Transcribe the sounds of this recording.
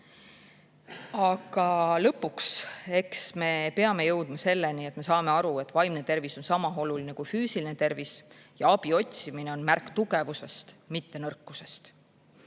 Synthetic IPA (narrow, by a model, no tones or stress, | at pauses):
ɑɡ̥ɑlɤpːˑukse̞ksme̞pe̞ɑme̞jɤwd̪mɑse̞lːe̞nie̞t̪ːˑme̞sɑːme̞ɑɾue̞t̪ːˑvɑjmnet̪e̞rviso̞nsɑmɑɦo̞luline̞kujfyːsiline̞t̪e̞rvisjɑɑbio̞tʲsimine̞o̞nmærkːt̪uɡe̞vuse̞st̪mit̪ːe̞nɤrkːuse̞st̪